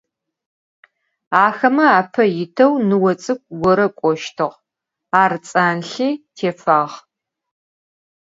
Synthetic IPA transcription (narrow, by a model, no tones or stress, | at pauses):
aːxɐmɐaːpʰɐjɪtʰɐwnɨwɐt͡sʼɨk̚ʷʰɡʷɔɾɐkʷʼɔʃtʰɨʁ | aːrɨt͡sʼaːnɬiːtʰeːfaːʁ